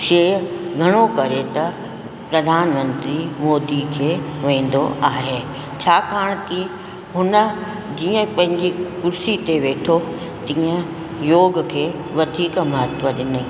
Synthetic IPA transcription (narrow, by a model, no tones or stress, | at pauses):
ʃeːɡʱɐɽ̃okɐɾet̪ɐ | pɾɐd̪ʱaːnmə̃nt̪ɾimoːd̪ikʰeːʋẽːn̆d̪o̰ʔaːɦeː | t͡ɕʰaːkaːɽ̃ki | ɦʊnə̆ | d͡ʑiːə̃pɐ̃ɦɪ̃ɲd͡ʑikʊɾsit̪eʋeːʈʰo | t̪ĩːə̃ | joːɡkʰeː | ʋɐd̪ʱiːkmɐɦət̪ʋəɗɪnə